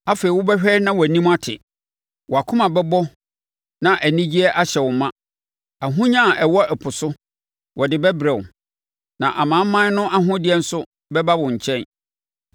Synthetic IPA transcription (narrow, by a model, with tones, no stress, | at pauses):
a˦feː˨i˨wʊ˦bɛ˦ɕᶣɛ˦nã˦wɔ˨æ˨nĩ˦ma˦tʰɪ̰˨ | wɔ˨a˨kʰʊ̃˦mã˨bɛ˦bɔ˦ | nã˨ʔæ˨nĩ˦d͡ʑi˦ɛ˦ʔa˦ɕɛ˨wʊ˨mã˦ | a˨ɦʊ̃˦ɲã˦˨ʔɛ˨wɔ˦ʔɛ˨pʰʊ˨sʊ˦ | wʔɔ˨dɪ˨bɛ˦bɾɛ̃˨ʊ̰˨ | nã˨ʔa˨mãː˨˦m˦mã˦n˦nʊ̃˦ʔa˦ɦʊ̃˦dɪ˦ɛ˦n̩˦sʊ˦ | bɛ˦ba˦wʊ̃˨ɲ̩˨t͡ɕʰɛ̃˦n